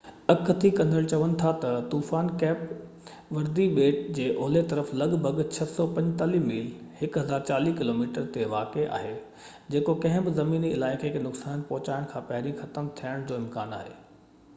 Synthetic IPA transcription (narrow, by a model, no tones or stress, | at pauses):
ɐkt̪ʰikɐ̃nd̪ʱəɭt͡ɕɐʋənɪ̆t̪ʰat̪ɐt̪uːfaːnkɛːp | ʋɐɾd̪iɓeːʈ̚d͡ʑeːʔoɦlet̪ɐɾəflɐɠbʱɐɡt͡ɕʰɐsɔpɐ̃ɲd͡ʑt̪aːlimiːlhɪkɦɐzaːɾt͡ɕaːlikɪloːmiːʈəɾt̪eʋaːkeʔa̰ːɦeː | d͡ʑeːkokɐ̃ɦɪ̃bɪzɐmiːniɪlaːɪkʰɪknʊksaːnənɪ̆pɔɦʊt͡ɕaːɪɽ̃kʰãːpɐɦɪɾĩxɐt̪əmt̪ʰijaːɪɽ̃d͡ʑoːɪmkaːna̰ːɦḛː